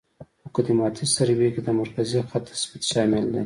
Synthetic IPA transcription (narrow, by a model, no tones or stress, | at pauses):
okad̪imɑt̪ʰisaɾibeked̪amaɾkazixat̪ḁsbit̪ʃɑmɪld̪ḛ